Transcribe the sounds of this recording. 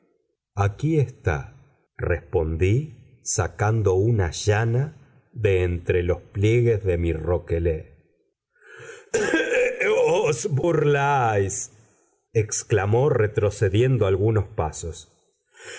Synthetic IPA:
akiest̪a̰ | respo̞nd̪i | sakand̪o̞unaʒana | ðe̞ːnt̪ɾe̞lo̞splje̞ɣe̞zðe̞miro̞ke̞le | osburlajs | eksklamo̞re̞t̪ɾo̞se̞ðje̞nd̪oalɣuno̞spaso̞s

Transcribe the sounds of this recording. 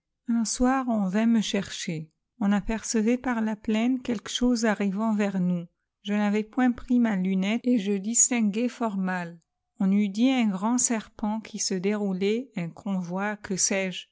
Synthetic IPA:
ɛ̃swaʁɔ̃vɛ̃məʃɛʁʃe | ɔ̃napɛʁsəvɛpaʁlaplɛnkʲɛlkə̥ʃozaʁivɑ̃vɛʁnu | ʒənavɛpwɛ̃pχimalynɛt̪eʒəd̪ist̪ɛ̃ɡɛfɔʁmal | ɔ̃nyd̪iɛ̃ɡʁɑ̃sɛʁpɑ̃kʰʲisəd̪eʁulɛɛ̃kʰɔ̃vwakʰəsɛːʒ

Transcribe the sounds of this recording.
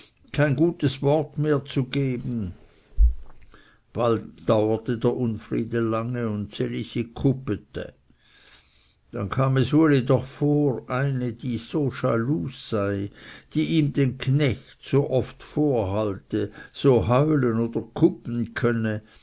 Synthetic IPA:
kʰaɪnɡuːtəsvɔɐtmeːɐt͡suɡeːbn̩ | b̥altd̥aʊɐtədeːɐʔʊnfʁḭːdəlaŋəʊntselisikʰʊpətə̰ | d̥ankʰaːmɛsvoːljedɔχfoːʁʔaɪnədiːz̥oːʃa̰luːsːaɪd̥iːʔiːmdeːnkʰnɛçtsoːʔɔftfoːɐɦaltəz̥oːɦaʏlənoːd̥ɐkʰʊpn̩kʰœnə

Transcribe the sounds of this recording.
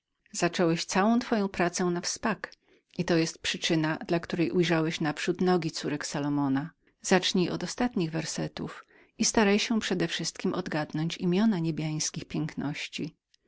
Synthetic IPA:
z̥at͡ʂɔwɛɕt̪sawɔ̃t̪fɔjɔ̃w̃pɾat̪sɛ̃nafspak | ʔit̪ɔjɛst̪̚pʂɘt͡ʂɘnad̪lakt̪uɾɛjʔujʐawɛɕnapʂut̪nɔɡʲit̪suɾɛksalɔmɔna | z̥at͡ʂɲijʔɔd̪ɔst̪at̪ɲiɣvɛɾsɛt̪ṵf | ist̪aɾajɕɛpʂɛd̪ɛfʂɘst̪kʲimʔɔd̪ɡad̪nɔɲt͡ɕimʲjɔnaɲebʲjaj̃skʲixpʲjɛŋknɔɕt͡ɕi

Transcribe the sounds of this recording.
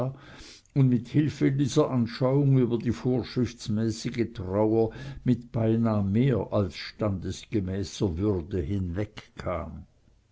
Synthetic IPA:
ʊndmɪthɪlfədiːz̥ɐʔanʃaʊʊŋyːbɐdiːfoːɐʃʁɪfsmɛːsɪɡətʁ̥aʊɐmɪtb̥aɪnaːmeːɐʔalsʃtandəsɡ̥əmɛːsɐvʏʁdəhɪnvɛkkʰːa̰ːm

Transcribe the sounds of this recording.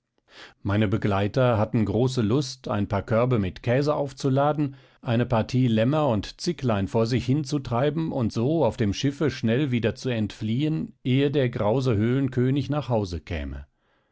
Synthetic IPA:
maɪnəbəɡlaɪtɐɦatn̩ɡʁoːs̬əlʊstʰa̰ɪnpʰaːɐkʰœɐbəmɪtkʰɛːzəʔaʊft͡sulaːdn̩ | ʔaɪnəpaɐtʰiːlɛmɐʊntt͡sɪklaɪnfoːɐzɪçhɪnt͡sutʁ̥aɪbm̩ʊntz̥oːaʊfd̥eːmʃɪfəʃnɛlviːdɐt͡suɛntfliːənʔeːədeːɐɡʁaʊzəɦøːlənkʰøːnɪçnaːχhaʊzəkʰɛ̰ːmə̰

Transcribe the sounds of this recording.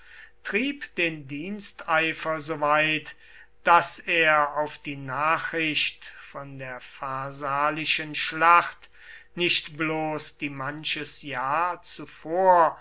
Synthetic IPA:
tʁ̥iːpd̥eːndiːnstaɪfɐzoːvaɪt | d̥aseːɐaʊfd̥iːnaːχʁ̥ɪʃtfɔndeːɐfaɐzaːlɪʃənʃlaχt | nɪʃtbloːsd̥iːmanʃəsjaːt͡sufoːɐ

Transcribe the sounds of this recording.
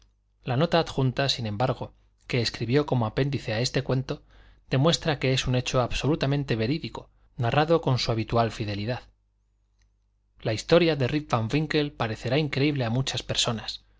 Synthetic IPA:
lano̞t̪aːt̪xunt̪asinẽ̞mbaɾɣ̞o̞ | ke̞ːskɾiβjo̞ko̞moape̞nd̪iθe̞ae̞st̪e̞kwe̞nt̪o̞ | ð̥e̞mwe̞st̪ɾake̞e̞sune̞t͡ʃo̞aβso̞lut̪amẽnt̪e̞βe̞ɾiðiko̞ | naraðo̞ko̞nsuaβ̞it̪ualfiðe̞liðað | laist̪o̞ɾjaðe̞ripfaɱfiŋke̞lpaɾe̞θe̞ɾaiŋkɾe̞iβle̞amut͡ʃaspe̞ɾso̞nas

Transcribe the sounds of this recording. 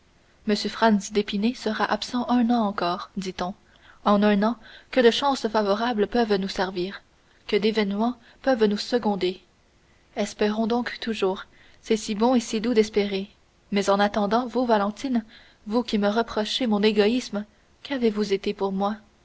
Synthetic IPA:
məsjøfχansd̪epinesəʁaʔapsɑ̃ʔœ̃nɑ̃ɑ̃kɔːʁd̪it̪ɔ̃ | ɑ̃nœ̃nɑ̃kəd̪əʃɑ̃ːsfavɔʁablpœvnusɛʁviːʁ | kəd̪evɛnmɑ̃ | pœvnusəɡɔ̃d̪e | ɛspɛʁɔ̃d̪ɔ̃kt̪uʒuːʁ | sɛsibɔ̃esid̪ud̪ɛspeʁe | mɛzɑ̃nat̪ɑ̃d̪ɑ̃vuvalɑ̃t̪in | vukʲiməʁəpχɔʃemɔ̃neɡɔism | kʰavevuzet̪epuʁmwa

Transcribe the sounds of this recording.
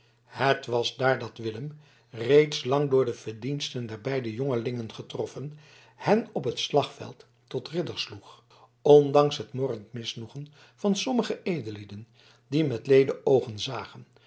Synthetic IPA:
hətʋɑzdaːɹdɑtʋɪləm | rejtslɑŋdʊːɹdəv̥əɹdinstəndɛɹbɛjdəjoŋəlɪŋənχətrɔfən | hɛnɔpɦətslɑχfɛ̰lˠtː | ɔtrɪdəɹsluχ | ɔndɑŋsɦətmɔɹəntmɪsnuχən | vɑnsɔməχəejdəlidən | dimɛtlejdəʔowχənzaːχən

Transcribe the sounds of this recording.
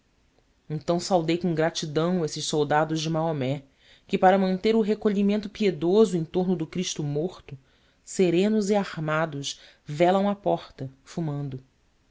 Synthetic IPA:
ẽnt̪ɐ̃w̃sawd̪ejkõɡɾat͡ʃid̪ɐ̃w̃esɪʃsowd̪ad̪ʊzd͡ʒɪmaomɛ | kɪpaɾɐmɐ̃nt̪eɾʊɦekoʎimẽnt̪ʊpied̪ozʊẽj̃t̪oɾnʊd̪ʊkɾiʃt̪ʊmoχt̪ʊ | seɾẽnʊziahmad̪ʊʃ | vɛlɐ̃w̃apɔχt̪ɐfumɐ̃nd̪ʊ

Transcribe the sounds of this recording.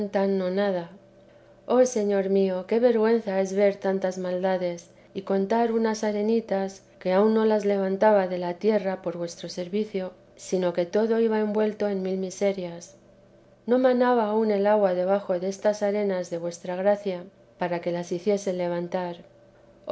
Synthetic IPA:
nt̪anːonaða | o̞se̞ɲo̞ɾmio̞ke̞βe̞ɾɣwe̞n̟θae̞zβe̞ɾt̪ant̪azmald̪aðe̞s | iko̞nt̪aɾunasaɾe̞nit̪as | ke̞aunːo̞lazle̞β̞ant̪aβaðe̞lat̪je̞rapo̞ɾβwe̞st̪ɾo̞se̞ɾβiθjo̞ | sino̞ke̞t̪o̞ðo̞iβae̞mbwe̞lt̪o̞e̞nmilmise̞ɾjas | no̞mãnaβaːune̞laɣwaðe̞β̞axo̞ðeest̪asaɾe̞nazðe̞βwe̞st̪ɾaɣɾaθja | paɾake̞lasiθje̞se̞le̞β̞ant̪aɾ

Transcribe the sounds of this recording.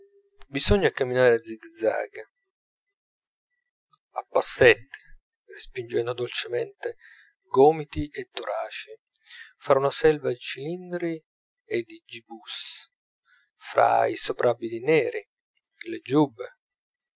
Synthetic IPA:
bizɔɲːakamːinaːɾead̪ziɡd̪za̰ːɡ | apːasːɛt̪ːi̥ | respind͡ʒɛnd̪od̪olt͡ʃemɛnt̪e | ɡɔːmit̪iʔet̪ːoɾʔaːt͡ʃi | faɾunasɛlvad̪it͡ʃilind̪ɾi | ed̪id͡ʒibus | fɾa̰ḭsopɾʔabːid̪inɛːɾi | led͡ʒubːe

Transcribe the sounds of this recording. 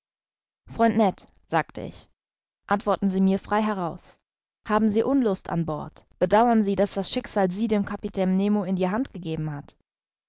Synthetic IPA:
fʁ̥ɔʏntnɛt | z̥aːktʰə̰ʔɪ̰ç | ʔantv̥ɔɐtn̩ziːmiːɐfʁ̥aɪɦɛʁaʊs | haːbm̩ziːʔʊnlʊstʰa̰nbɔɐtb̥ədaʊɐnziːdasd̥asʃɪkz̥aːlziːdeːmkʰapitʰɛːnnːeːmoɪndiːɦantɡ̥əɡeːbm̩ɦat

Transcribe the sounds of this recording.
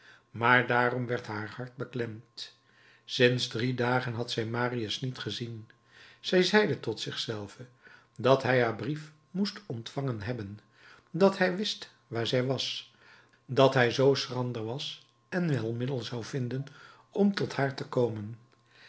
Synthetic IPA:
maːɹdaːrɔmʋɛɹtɦaːɹhɑɹt̚bəklɛmt | sɪnzdridaːχənɦɑtsɛjmaːriəsnitχəzin | z̥ɛjzɛjdətɔtsɪχsɛlˠvə | dɑtɦɛjɦaːɹbrif | mustɔntfɑŋənɦɛbən | dɑtɦɛjʋɪst | ʋaːɹzɛjʋɑs | dɑtɦɛjzowsrɑndəɹʋɑs | ɛnʋɛlˠmɪdəlˠzɑwv̥ɪndən | ɔmtɔthaːɹtəkowmən

